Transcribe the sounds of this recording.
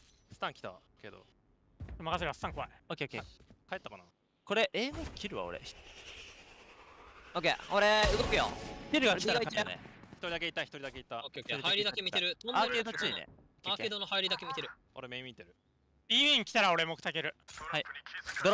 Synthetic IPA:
sɨ̥t̪ãŋkʲi̥t̪a̰ | ke̞d̪o̰ | makas̬eɾɯβasɨ̥t̪ãŋkoβa̰iokʲekekaet̪ːakana | ko̞ɾeʔeːɡokʲʰiɾɯ̟βa̰o̰ɾḛç̥ | okḛoɾeɯɡokɯ̟jo̰kʲiɾɯ̟ɡaiaɡaiiaḛçi̥t̪oɾid̪ak̬e̞it̪ːaçi̥t̪o̞ɾʲid̪akeit̪ːaokeokeɾihaiɾʲid̪akemʲit̪eɾɯt̪oaked̪ot͡ɕiːḛ | aked̪onohaiɾʲid̪akemʲit̪e̞ɾɯ̟ | o̞ɾe̞memʲit̪ːe̞ɾɯ̟ | imʲĩŋkʲi̥aɾao̞ɾe̞mo̞kɯ̟t̪ak̬e̞ɾɯ̟haid̪o

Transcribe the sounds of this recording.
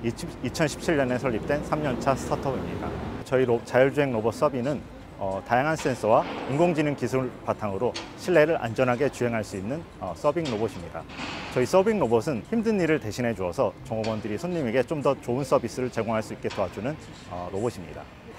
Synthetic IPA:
it͡ɕʰʌnɕʰi̥p̚t͡ɕʰiɭːʌne̞sʰʌʎːip̚t͈we̞nsʰamɲʌnt͡ɕʰasʰɯ̥tʰatʰʌbimɲḭda̰t͡ɕʌiot͡ɕajʌɭd͡ʑuɦe̞ŋnobʌs͈ʌbinɯn | ʌtajaŋɦans͈e̞ns͈ʰʌwaiŋɡoŋd͡ʑininkisʰuɭpatʰaŋɯɾoɕʰiɭːe̞ɾɯɾʔa̰nd͡ʑʌnɦaɡe̞t͡ɕuɦe̞ŋɦaɭs͈uinːɯn | ʌ̰s͈ʌbiŋnoboɕʰimɲida̰t͡ɕʌis͈ʌbiŋnobʌsʰɯnçimdɯnːiɾɯɭte̞ɕʰinɦe̞d͡ʑuʌsʰʌt͡ɕʌŋobʌndɯɾisʰoɲːime̞ɡe̞t͡ɕomdʌt͡ɕoɯns͈ʰʌbis͈ɯɾɯɭt͡ɕe̞ɡoŋɦaɭs͈uik͈e̞tʌad͡ʑunɯn | ʌ̰noboɕʰimɲḭda̰

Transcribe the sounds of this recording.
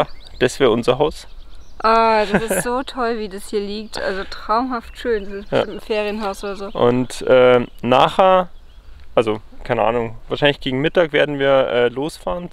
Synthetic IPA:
d̥ɛsv̥eːɐʊnzɐɦaʊsʔad̥asɪstz̥oːtʰɔlviːdashiːɐliːk̚tʔa̰lzotʁ̥aʊmɦaftʃøːndasɪsb̥ja̰mfeːʁiənɦaʊsʔoːdɐzoːʔʊ̰ntʔɛːnaːχɛɐ | ʔalzokʰaɪnəʔa̰ːnʊŋv̥aːɐʃaɪnlɪçɡ̥eːɡŋ̩mɪtaːkv̥eːɐdn̩viːɐʔɛːloːsfaːʁən

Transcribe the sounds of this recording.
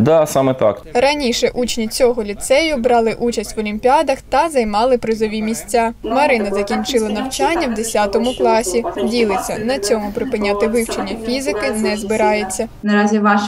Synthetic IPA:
d̪asɑmɛt̪ɑ̰krɐnʲiʃɛʔut͡ʃnʲit͡sʲɔɦɔlʲit̪sɛjʊbɾɑlˠɪʔut͡ʃɐsʲtʲʋɔlʲimʲpʲiɑd̪ɐxt̪ɐzɐjmɑlˠɪpɾɪzɔʋʲimʲisʲt͡sʲːamɐɾɪnɐzɐkʲinʲt͡ʃɪlˠɐnɐwt͡ʃanʲːɐwd̪esʲat̪ɔmʊklˠɑsʲidʲilˠɪt͡sʲːɐ̰nɐt͡sʲɔmʊpɾɪpɪnʲːat̪ɪʋɪwt͡ʃenʲːɐfʲizɪkɪnɛzbɪɾɑjet͡sʲːɐ | nɐɾɑzʲiʋɑʃ

